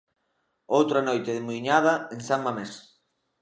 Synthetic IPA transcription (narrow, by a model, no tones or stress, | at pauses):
owt̪ɾanojt̪eðɪmuiɲaðɐeŋsammames